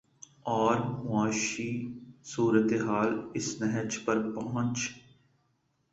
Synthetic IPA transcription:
ɔːɾmʊaːʃiːsuːɾət̪eɦaːlɪsnɛɦət͡ʃpəɾpɐ̃ɦə̃nt͡ʃ

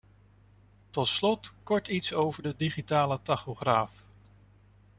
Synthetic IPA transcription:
tɔtslɔtkɔɹtitsowvəɹdədiχitaːlətɑχoχraːf

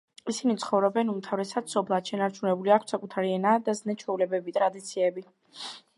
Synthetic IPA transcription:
isinit̪sʰχɔvɾɔbɛnumt̪ʰavɾɛsad̪̥sɔpʰlˠad̪̥ʃɛnaɾt͡ʃʰunɛbuliakʰsakʼut̪ʰaɾiɛnad̪aznɛt͡ʃʰwɛulɛbɛbit̪ʼɾad̪it̪sʰiɛbi

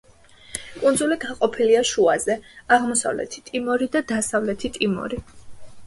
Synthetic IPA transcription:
kʼunzuliɡaqʼɔpʰiliaʃuazɛaʁmɔsa̰vlɛ̰t̪ʰi̥t̪ʼimɔɾid̪ad̪asavlɛt̪ʰit̪ʼimɔ̰ɾi

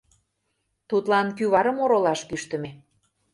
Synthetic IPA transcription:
t̪ut̪lɑnkyβɑɾə̆moɾolɑʃkyʃt̪ə̆me

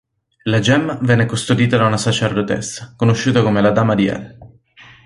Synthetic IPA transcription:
lad͡ʒɛmːvɛnːekost̪od̪iːt̪ad̪aunasat͡ʃerd̪ot̪ɛ̰sːḁkonoʃːuːt̪akomelad̪aːmad̪iɛ̰l

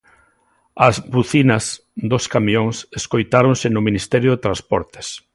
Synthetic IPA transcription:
ɐzbuθinɐs | d̪oskamioŋseskojt̪aɾonsɪnʊminist̪ɛɾjʊðet̪ɾaspɔɾt̪e̥s

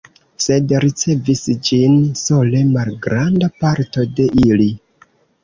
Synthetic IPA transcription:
se̞dɾit͡se̞visd͡ʒinso̞le̞malɡɾandapaɾto̞de̞ʔili

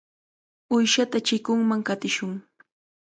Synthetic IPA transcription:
ʊjʃat̪at͡ʃɪkʊŋmaŋkat̪ɪʃʊŋ

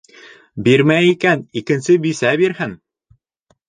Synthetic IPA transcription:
biɾmæikænikɘ̆nsɘbisæβiɾhɘn

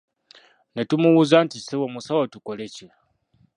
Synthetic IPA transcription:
netumuβuzantisewomusawatukolece

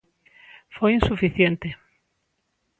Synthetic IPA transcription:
fojinsufiθjent̪e

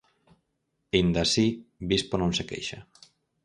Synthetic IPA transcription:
ind̪asibisponõnsekḛjʃa

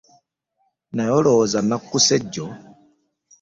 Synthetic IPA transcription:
najɔlɔzanakːusɛɟɔ

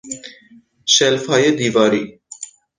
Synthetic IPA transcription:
ʃɛlfajed̪ivaɾi

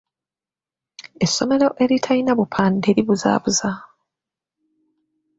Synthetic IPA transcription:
e̞sːo̞me̞ɾo̞ʔe̞ɾitʰainaβupʰaːnde̞ːɾiβuza̰ːβuza

